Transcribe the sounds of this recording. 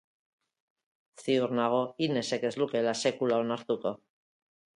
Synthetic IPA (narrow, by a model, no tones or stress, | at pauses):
siuɾnaɣ̞o̞ine̞se̞ke̞zluke̞lase̞kulao̞naɾt̪uko̞